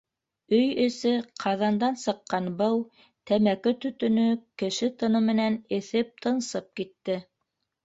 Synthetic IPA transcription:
ɵjɘ̆sɘqʰɑðɑnd̪ɑnsɤ̆qːɑnbɤw | t̪æmækɘt̪ɵ̆t̪ɵ̆nɵkɘ̆ʃɘt̪ɤ̆nɤmɘ̆nænɘ̆θɘp̚t̪ʰɤ̆nsɤp̚kit̪ːɘ

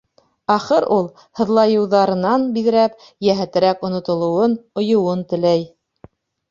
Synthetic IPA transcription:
ɑχɤɾulˠ | hɤ̆ðlˠɑjɤ̆wðɑɾɤ̆nɑnbiðɘ̆ɾæp̚ | jæɦæt̪ɘ̆ɾækŏnŏt̪ŏlˠŏwɤnŏjŏwɤnt̪ɘ̆læj

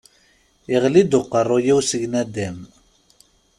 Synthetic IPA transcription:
iʁlid̪ʊqːərˤːojiwsəʝnæd̪æm

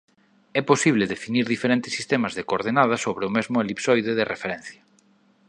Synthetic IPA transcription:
ɛposiβ̞leðefiniɾðifeɾent̪ɪ̥sːi̥st̪emɐzðekoɾðenaðɐsoβɾeʊmɛzmʊelipsɔjðeðerefeɾɛn̟θjɐ

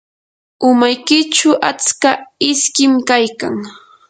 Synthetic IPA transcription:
ʊmajkɪt͡ʃʊʔat͡skaɪskɪmkajkaŋ

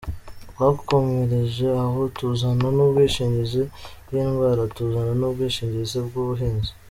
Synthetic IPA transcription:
wako̞meɾeʒe̞ahotuzananubɡwiːʃiːɲɟizibɡiːnɡwaːɾatuzananubɡiːʃiːɲɟizibɡuβuɦiːnzi̥

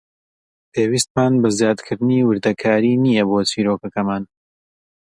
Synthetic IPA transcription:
pʰewiːst̪maːnbɐzjaːd̪kʰɨɾd̪ɨniːwɨɾd̪ɐkʰaːɾiːnijɐboːt͡siːɾokɐkɐmaːn

